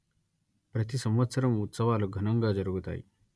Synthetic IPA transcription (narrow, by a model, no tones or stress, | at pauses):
pɾət̪isəmʋət̪səɾəmut̪səʋalɔɡʱənəŋɡad͡zəɾɡot̪a̰ḭ